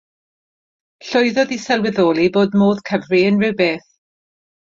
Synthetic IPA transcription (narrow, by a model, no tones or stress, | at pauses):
ɬʊjðɔðisɛlˠwɪðoːlˠiboːdmoːðkʰəvriənrɪwbeːθ